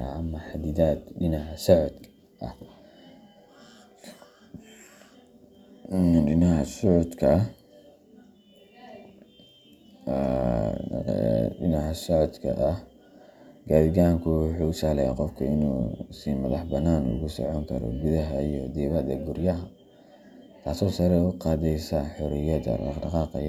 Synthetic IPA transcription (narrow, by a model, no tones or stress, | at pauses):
ʔɐmɐħad̪iðaːd̪ɖɪnɐʕsɔʕɔd̪ | ʔɐh | ɖɪnɐhɐsɔʕɔd̪kʰɐ | ɖɪnɐhɐsɔʕɔd̪kʰɐ̰ʔɐh | ɡaːðɪɡaːŋkʰʊwħuːʊsaːlɛja̰ːqɔfkʰɐɪnṵːsiːmɐðɑħbɐnaːnʊ̰ɣʊsɔ̰ʕɔŋkʰɐ̰ɾɔ̰ɡʊðɐɦɐijɔd̪ɛːβɐd̪ɐɡʊɾjɐɦɐ | t̪ʰaːsɔːsɐɾɛʊqɑːðɛjsɐħʊɾɪjɐðɐ̰ʔɑ̰dɑqɑːqɑ̰j